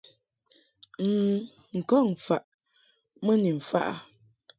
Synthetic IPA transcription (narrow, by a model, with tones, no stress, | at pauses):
ŋ̩ː˦˨˦ | ŋ̩˨kɔ˦˨ŋ̩˨fa˨ʔ | mə˦ni˨m̩˨fa̰˦ʔa̰˨